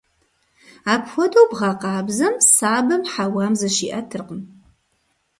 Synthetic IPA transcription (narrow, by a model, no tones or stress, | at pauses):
aːpxʷɔdowbʁɑqɑːbzɐmsaːbɐmħawaːmzɐʃiːʔɐtʰɨrqən